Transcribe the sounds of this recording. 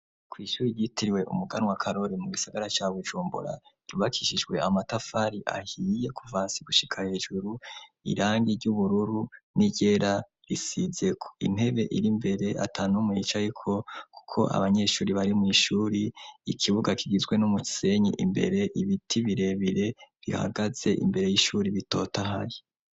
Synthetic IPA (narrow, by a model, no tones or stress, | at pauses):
kwiːʃuːɾiɟitiɾiwe̞ʔṵmuɡanwakʰaɾo̞ɾimuɡisaɡaɾat͡ʃaβud͡ʒuːmbṵɾa̰ | ɾuβakʰiʃiʒɡwe̞amatafaɾiʔa̰hije̞kʰuvaːnsiɡuʃi̥kʰahe̞ʒuɾuḭɾaːŋɡiɾɟuβuɾuɾuniɟ̥e̞ːɾa | ɾisize̞kʰo̥ḭn̥he̞βe̞ʔiɾimbe̞ɾe̞ʔa̰tʰaːnumwit͡ʃajikʰo̞kʰu̥kʰo̞̰ʔa̰βaɲe̞ʃuːɾiβaɾimŋiːʃuːɾiːkʰiβuɡakʰiɡizɡwenumuci̥se̞ɲḭʔimbe̞̰ɾe̞ʔiβitʰiβiɾe̞βiɾe̞ɾiha̰ɡaz̥e̞ʔḭmbe̞ɾe̞jiːʃuːɾiβito̞taɦa̰ji